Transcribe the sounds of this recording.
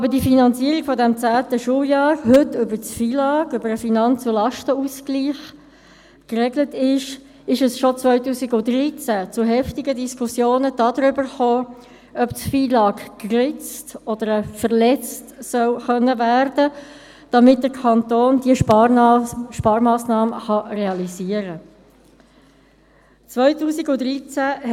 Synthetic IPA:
ɑbədifinɑnt͡siəɾiɡ̥fɔdɛmt͡sæːtəʃuːəjɑːɾɦʏtʏbəɾt͡sfiːlɑːɡʏbəɾəfinɑnt͡sulɑʃtəuskliːχ | krɛɡlətɪʃ | ɪʃəsʃɔt͡sʋœʏtuːsiɡʊtɾit͡sæt͡sʊɦɛftɪɡədiskʰʊsjoːnəd̥ɑːdɾʏbəɾχoː | ʔœptfiːlɑːkkrɪt͡stɔd̥̪əɾəfəʁlɛt͡stsœlχœnːəværd̥ə | d̥ɑmɪt̚d̥əkʰɑntoːndiəʃ | ʃpɑːɾmɑːsnɑːməχɑreɑliziːəɾə | t͡sʋœʏtuːsiɡʊdɾit͡sæ

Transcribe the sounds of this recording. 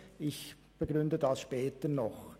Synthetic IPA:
ɪç | b̥əɡʁʏndədɑsʃpɛːtənɔχ

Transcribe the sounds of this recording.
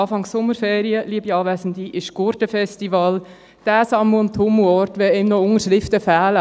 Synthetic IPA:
ɑːfɑŋsːʊməɾfeːɾiəliəbiɑːʋæsəndiʔɪʃɡ̥ʊɾtəfɛstivɑl | d̥æːsɑmʊntʰomuɔɾtʋɛemnɔʊŋəʃɾɪftəfæːlə

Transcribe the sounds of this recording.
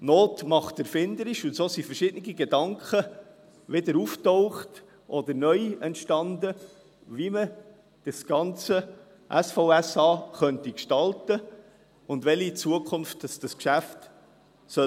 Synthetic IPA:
noːtmɑχtɛɾfɪnd̪əɾɪʃʊntsoːsifəɾʃɪd̥ənɪɡiɡɛdɑŋkχə | ʋɪdəɾuftoʊχt | ʔɔd̪əɾnœʏɛntʃtɑnd̪ə | vimə | d̥ɑsɡ̥ɑnt͡sə | ʔæsfoʊæsɑːχœntikʃtɑltə | ʊndʋɛlit͡suəkʰʊnftːɑsd̥ɑskʃæft | sœ

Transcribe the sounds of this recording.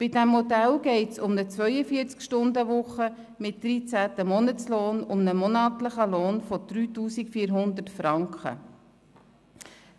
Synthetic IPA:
b̥ɪdɛmhɔdɛlɡɛɪtsʊmnət͡sʋœʏəfiəɾt͡skʃtʊndəʋʊχə | mɪt̚d̥ɾit͡sæːtəmɔnət͡sloːnʊmnəmɔnɑːtləχəloːnfɔd̪̥ɾyːtuːsikfiːɾɦʊnd̪ətfɾɑŋkχə̰

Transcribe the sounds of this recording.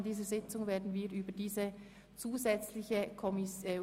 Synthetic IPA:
ndiːzəzɪt͡sʊŋveːɐdn̩viːɾʔyːbədiːzə | t͡suːzɛt͡slɪçəkʰɔmɪ

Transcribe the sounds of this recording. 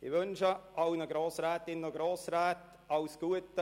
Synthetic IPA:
ɪʋʏnʃəʔɑwnəɡɾoːsɾɛːt̪ɪnəɡɾoːsɾɛːt̪ | ɑwsɡ̥uətə

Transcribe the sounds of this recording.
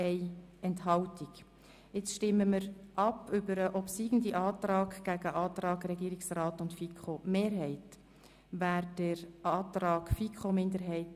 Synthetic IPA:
ɛɪɛnthɑltiɡ̥ | ɪt͡sʃtɪmːəməɾʔɑpʏbəɾəʔɔpsiːɡ̥ən̩diʔɑːt̪rɑːɡɡ̥æɡəʔɑːtɾɑːɡɾɛɡiːɾiksrɑːtʊntfikʰχomeːɾɦɛɪt | væːɾd̥əɾʔɑːt̪ɾɑːɡ̥fikʰχomɪndəɾɦɛɪt

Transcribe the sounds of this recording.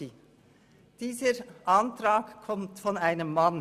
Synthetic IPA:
d̥iːzəʔɑntʁɑːkkʰːɔmtfɔnaɪnəmːɑn

